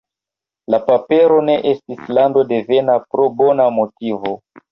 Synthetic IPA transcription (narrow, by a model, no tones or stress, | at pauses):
lapapeɾo̞ne̞ʔestislando̞devenapɾobonamotivo